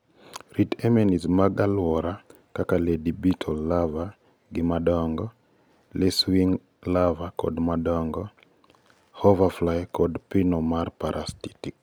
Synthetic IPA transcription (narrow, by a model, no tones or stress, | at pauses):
ritɛmɛnismaɡalwɔɾa | kakaledibitʰɔlːava | ɡɪmadɔŋɡɔ | leswiŋ | lavakɔ̰dmadɔŋɡɔ | hɔvaflajkɔdpɪnɔmarpaɾʔasti̥tik̚